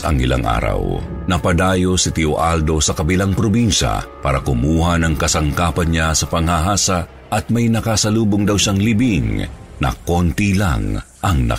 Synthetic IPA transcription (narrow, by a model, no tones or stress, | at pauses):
ɐ̰ŋɪ̰la̰ŋʔa̰ːɾɐ̰w | nɐpɐd̪aːjo̞sɪt̪ɪoʔald̪o̞sɐkɐbɪlaŋpɾobinʃa̰paːɾɐkʊmuːhanɐŋkɐsɐŋkaːpɐnɲasɐpɐŋhaɦaːsa | ʔɐt̪̚mɐjnɐkasɐluːboŋd̪ɐwʃaŋlibiŋ | nɐ̰kont̪ila̰ŋ | ʔɐŋnɐ̰